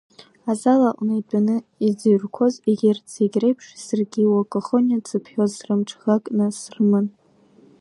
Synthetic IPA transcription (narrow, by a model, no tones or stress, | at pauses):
azalaʔʼnajt͡pʷʼanɨid͡ziɥrkʷʰoziɡʲɪrt͡sʰeɡʲrejpʰʂsɨrɡʲiwakʼoχonʲat͡sʰɨpʰħᶣozrɨmʈ͡ʂʰχakʼnɨsrmɨn